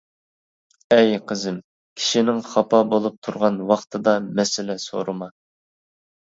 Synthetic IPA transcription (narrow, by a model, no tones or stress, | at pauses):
ɛjqʰəzɨm | kʲʰi̥ʃinɪŋχɑpʰɑbolˠup̚t̪ʰuɾʁɑnwɑχt̪ʰɨd̪ɑmɛsɪlɛso̰ɾɨmɑ